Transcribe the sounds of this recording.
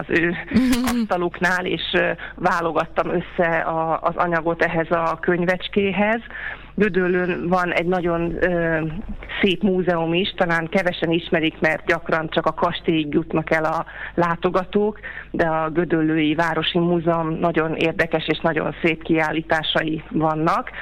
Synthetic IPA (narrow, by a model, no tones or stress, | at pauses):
ɒzøːɒst̪ɒloknaːlḛːʃvaːlo̞ɡɒt̪ːɒmøsːɛɒːzɒ̰ɲɒɡo̞t̪ɛɦɛzɒkø̞ɲvɛt͡ʃkeːɦɛz | ɡød̪ølːøːnvɒnɛ̰ɟnɒɟo̞nøːseːpmuːzɛumiʃt̪ɒlaːŋkɛvɛʃɛniʃmɛɾikmɛrt̪̚ɟɒkrɒnt͡ʃɒkɒkɒʃt̪eːjiɡjut̪nɒkɛlɒlaːt̪o̞ɡɒt̪oːkd̪ɛɒɡød̪ølːøːjivaːɾo̞ʃimuːzɛomnɒɟo̞nḛːrd̪ɛkɛʃeːʃnɒɟo̞̰nseːpkiaːlːiːt̪aːʃɒjivɒnːɒk